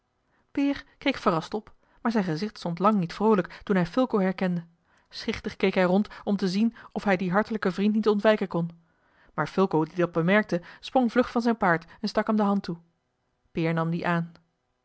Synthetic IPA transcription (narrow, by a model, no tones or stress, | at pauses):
pɪːɹkejkfərɑstɔp | maːɹzɛjnχəzɪχtstɔntlɑŋnitfrowləktunɦɛjfɵlˠkowɦɛɹkɛndə | sχɪχtəχkejkɦɛjrɔntɔmtəzinɔfɦɛjdiɦɑɹtələkəvrintnitɔntʋɛjkənkɔn | maːɹfʏlˠkowdidɑt̚bəmɛɹk̚təsprɔŋvlɵχfɑnzɛjnpaːɹtɛnstɑkɦɛmdəɦɑntu | pɪːɹnɑmdiʔaːn